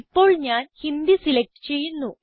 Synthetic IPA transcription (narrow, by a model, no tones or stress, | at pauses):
pːo̞ːɭɲaːnhind̪isilek̚ʈɨ̥t͡ɕe̞jːunːu